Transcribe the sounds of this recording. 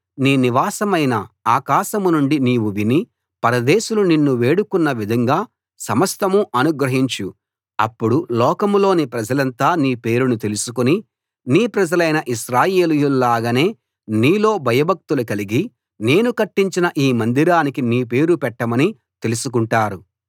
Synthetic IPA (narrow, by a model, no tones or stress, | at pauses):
niːniʋaːsɐmɐjnɐaːkaːʃɐmunuɳɖiniːwuʋini | pɐɾɐd̪eːʃuluninːuʋe̞ːɽukunːɐʋid̪ʱɐŋɡaː | sɐmɐst̪ɐmuʔɐnuɡɾɐɦiɲt͡ʃu | ɐ̰pːuɽulɔːkɐmlo̞ːnipɾɐd͡ʒɐlɐnt̪aːniːpe̞ːɾunut̪e̞lusukuni | niːpɾɐd͡ʒɐlɐjnɐʔiʃɾaːje̞ːlijululaːɡɐne̞ː | niːlo̞ːbʱɐjɐbʱɐk̚t̪ulukɐliɡi | ne̞ːnukɐʈːiɲt͡ʃinɐʔiːmɐnd̪iɾaːnikiniːpe̞ːɾupɛʈːɐmɐni | t̪e̞lusuk̬uɳʈaːɾu